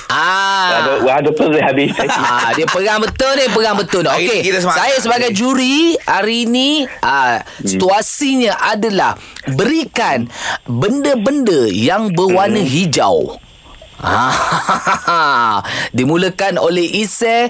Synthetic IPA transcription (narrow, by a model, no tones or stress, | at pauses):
ʔaəwadəpəiɦabɪadiəpəɡaŋbət̪ʊnipəɡaŋbət̪ʊnokkekit̪sssajas̬əbaɡajd͡ʒuɾiaɾiniʔəsit̪uasiɲãʔadala̰h | bəɾikanbəndəbəndəjaŋbəwanəɦid͡ʒa̰w | a̰ | dimũləkanolɛɦʔisɛ